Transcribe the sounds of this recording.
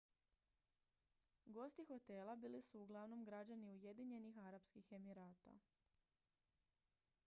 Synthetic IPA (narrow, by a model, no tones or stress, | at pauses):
ɡo̞st̪ixo̞t̪e̞ːlˠabiːlisuːɡlˠaʋno̞mɡɾad͡ʑaniuje̞d̪iɲe̞nixaɾapskixe̞miɾaːt̪a̰